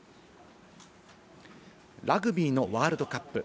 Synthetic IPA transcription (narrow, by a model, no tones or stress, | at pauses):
ɾaɡɯ̟bʲiːno̞βaːɾɯ̟d̪o̞kapːɯ̟